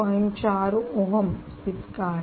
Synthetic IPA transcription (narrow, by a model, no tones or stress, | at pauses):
ɐɲt͡ʃaːɾuoɦɐm | t̪it̪kaː